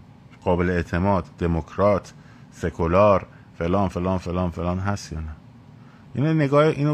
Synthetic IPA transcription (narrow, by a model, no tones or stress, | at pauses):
ɡ̥ɒːbe̞leet̪ʰemɒːd̪d̪e̞mokʰɾɒːt̪ʰ | sekʰolɒːɾ | felɒːnfelɒːnfelɒːnfelɒːnɦæst̪jɒːnæ | ʔiːnoneɡɒːheʔiːno